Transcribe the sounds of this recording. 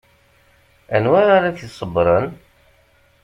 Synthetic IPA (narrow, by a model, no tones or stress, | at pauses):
ænwaɾaɾaθisˤəbɾˤən